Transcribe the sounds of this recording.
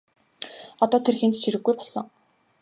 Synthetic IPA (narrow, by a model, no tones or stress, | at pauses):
ɔt̪ɔːt̪ʰerxent̪t͡ɕʰiɾɘ̆ɡːujpɔɮ̥ɞ̆ŋ